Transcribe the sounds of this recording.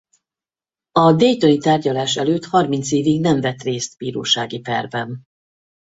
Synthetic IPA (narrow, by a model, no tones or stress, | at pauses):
ɒd̪ɛjt̪onit̪aːrɟɒlaːʃɛløːt̪hɒrmint̪seːviɡnɛɱvɛt̪reːst̪biːɾo̰ːʃaːɡipɛ̰rvɛn